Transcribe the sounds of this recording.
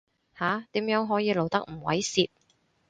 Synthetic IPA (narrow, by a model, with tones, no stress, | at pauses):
haː˨˥t̪iː˨˥mjœː˨˥ŋɦɔː˨˥jiː˨˧lo˨wt̪ɐ˥k̚m̩˨˩wɐ̰˨˥jsiː˧t̚